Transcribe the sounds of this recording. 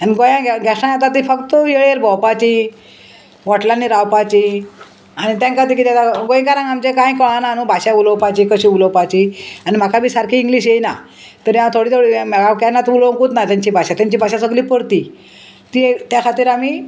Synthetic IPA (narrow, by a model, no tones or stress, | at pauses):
aniɡojãɡɡʱasãjat̪at̪ifəkt̪əjeɭeɾbɔwpat͡ɕi | ʋɔʈlanːiɾawpat͡ɕi | aɽ̃it̪jãŋkat̪ikit̪jat̪aɡojĩkaɾãŋɡamt͡ɕekãj̃kəɭanaːnũbʱaɕauləwpat͡ɕiːkəɕiːuləwpat͡ɕiañim̤akabʱiːsaɾkʰiːŋɡliːɕ̬jejna | t̪əɾjãt̪ʰoɽiːt̪ʰoɽimɛɡakanːat̪uloŋkuːt̪nat̪ãɲt͡ɕiːbʱaɕat̪jaɲt͡ɕiːbʱaɕãsəɡliːpəɽt̪i | t̪iet̪jakʰat̪iːɾamiː